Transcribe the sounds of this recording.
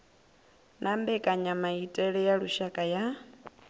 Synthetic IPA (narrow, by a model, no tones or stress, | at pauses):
nʔambɛkʼaɲamaitʼɛɺɛjaɺuʃakʼaja